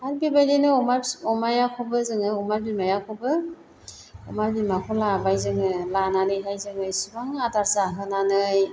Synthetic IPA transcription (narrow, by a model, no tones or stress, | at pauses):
aɾbibajdenɯɔmaɾɔmajakʰɔbɯzɯŋɯɔmaɾbimajakʰɔbɯ | ɔmaɾbimakʰɔlabajzɯŋɯlananɯjɦajzɯŋɯjsibaŋadaɾzaɦɯnanɯj